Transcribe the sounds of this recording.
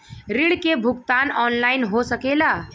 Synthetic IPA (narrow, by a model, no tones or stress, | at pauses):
ɾiɽkebʱukt̪anɔnlainɦosəkela